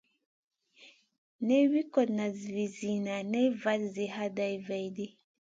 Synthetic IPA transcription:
ne˦wi˦kɔ˨dna˨zvi˨zi˨na˨nɛ˦jva˦lze˨ha˦da˨jva˨jde˦

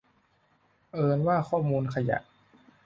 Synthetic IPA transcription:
ʔɤː˧nwaː˥˩kʰɔː˥˩muː˧nkʰa˧ja̰˨˩ʔ

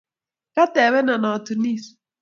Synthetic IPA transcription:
ka˦t̪ɛ˨βɛ˦na˨na˨t̪u˨ni˦s

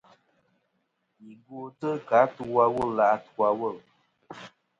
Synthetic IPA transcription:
i˨ɡo˦tə˦ka˨˦tu˧wa˦˧wə˦˨lla˨ʔtu˦a˧wo˦˨l

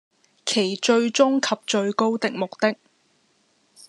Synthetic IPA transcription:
kʰe˨˩jt͡ʃɵ˧ɥt͡sʊ˥ŋkʰɐ˨p̚t͡ʃɵ˧ɥko˥wt̪ɪ˨k̚mʊ˨k̚t̪ɪ˥k̚

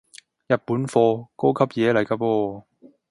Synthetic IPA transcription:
jɐ˨t̚puː˨˥nfɔː˧ko˥wkʰɐ˥p̚jɛː˨˧lɐ˨jkaː˧pɔː˧

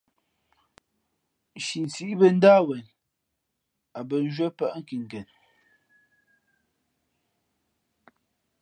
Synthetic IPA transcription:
ʃi˨n˨t͡si˦ʔbə˦n̩˦daː˦wɛ˨n | a˨bə˨n̩˦ʒwə˦pa˦ʔŋ̩˦˨ki˨ŋ˨kɛ˨n

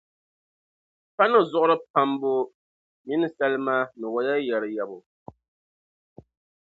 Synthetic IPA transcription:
pa˦nɨ˦zʊ˦ʔʊ˦ɾɨ˦pa˦mbʊ˦ | mi˦nɨ˦sa˦lɨ˦ma˦nɨ˨wa˦ja˦jɛ˨ɾɨ˨jɛ˨bʊ˨

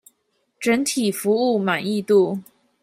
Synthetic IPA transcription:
ʈ͡ʂə˧˥nt̪ʰi˨˩fu˧˥u˥˩ma˨˩ni˥˧t̪u˥˩

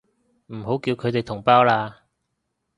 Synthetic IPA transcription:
m̩˨˩ho˨˥wkiː˧wkʰɵ˨˧jt̪e˨jt̪ʰʊ˨˩ŋpaː˥wlaː˧

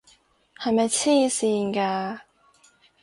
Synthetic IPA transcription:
hɐ˨jmɐ˨jt͡sʰiː˥siː˧nkaː˧

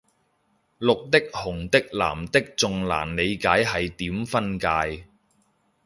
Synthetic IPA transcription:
lʊ˨k̚t̪ɪ˥k̚hʊ˨˩ŋt̪ɪ˥k̚la̰ː˨˩mt̪ɪ˥k̚t͡sʊ˨ŋla̰ː˨˩nle˨˧jkaː˨˥jɦɐ˨jt̪iː˨˥mfɐ˥nkaː˧j

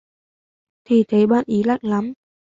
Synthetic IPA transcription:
t̪ʰi˨˩t̪ʰe˨˦jɓa̰ː˧˨nʔi˨˦la̰˧˨jŋla˨˦m

